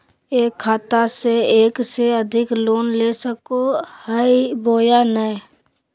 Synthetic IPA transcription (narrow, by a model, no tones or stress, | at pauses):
eːkʰːaːt̪aseeːkseəd̪ʱɪkloːnlesəkohəiboːjanə